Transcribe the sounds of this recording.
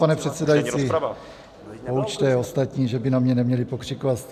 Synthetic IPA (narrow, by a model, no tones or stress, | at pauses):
panɛpr̥ɛt̪sɛdajiːt͡si | pout͡ʃt̪ɛost̪at̪ɲiːʒɛbɪnamɲɛnɛmɲɛlipokr̝̥ikovat̪